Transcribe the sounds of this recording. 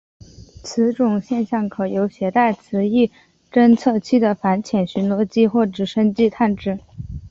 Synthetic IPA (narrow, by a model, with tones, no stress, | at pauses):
t͡sʰɹ̩˧˥ʈ͡ʂʊ˨˩ŋɕjɛ˥˧nɕjɑ˥˩ŋkʰɤ˨˩jo˧˥ʊɕjɛ˧˥t̪a˥˩ɪt͡sʰɹ̩˧˥i˥˩ | ʈ͡ʂə˥nt͡sʰɤ˥˧t͡ɕʰi˥d̪ə˨fa˧˥nt͡ɕʰjɛ˨˩nɕy˧˥nlwɔ˥˧t͡ɕi˥xwɔ˥˩ʈ͡ʂɻ̩˨˩ʂə˥nt͡ɕi˥˧t̪ʰa˥˧nʈ͡ʂɻ̩˥˩